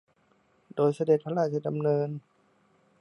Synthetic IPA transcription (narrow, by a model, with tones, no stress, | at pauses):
doː˧jsa˧de˨˩t̪̚pʰa˧˥laː˧˩t̪ʰi˧˩da˧mnɤː˧n